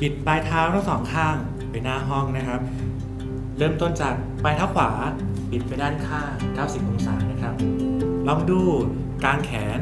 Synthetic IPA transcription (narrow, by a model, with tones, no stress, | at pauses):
pi˨˩t̪̚paː˧jt̪ʰaː˦˥wt̪ʰa˥˩ŋsɔː˩˦ŋkʰaː˥˩ŋ | pa˧jnaː˥˩ɦɔ˥˩ŋna˦˥kʰɾa˦˥p̚ | ɾɤː˥˩mt̪o˥˩nt͡ɕaː˨˩k̚pa˧jt̪ʰaː˦˥wkʰwaː˩˦ | pi˨˩t̪̚pa˧jdaː˥˩nkʰaː˥˩ŋka˦˥˩wsi˨˩uː˨˩˦sa̰ː˩˦na˦˥kʰɾa˦˥p̚lɔ˧˥˩ŋduː˥˩ | kaː˧nkʰɛː˩˦n